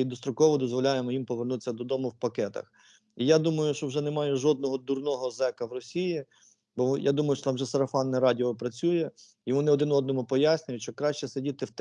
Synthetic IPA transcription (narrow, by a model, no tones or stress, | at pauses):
id̪ɔst̪ɾʊkɔʋɔd̪ɔzʋɔlʲajemɔjimpɔʋernut̪ɪ̥sʲːɐd̪ɔd̪ɔmʊwpɐkɛt̪ɐ̰x | ijad̪umɐjʊʃt͡ʃɔwʒɛnemɑjɛʒɔd̪̚nɔɦɔd̪urnɔɦɔzɛkɐwrɔsʲiji | bɔja̰d̪umɐjʊʃt͡ʃɔ̥t̪ɑmʒɛsɐɾɐfɑnːɛɾɑdʲiɔpɾɐt͡sʲujɛ | jɔʋɔnɪɔd̪ɪnɔd̪nɔmupɔjasʲnʲʊjʊt͡ʃɔkɾɑʃt͡ʃɛsɐdʲit̪ɪwt̪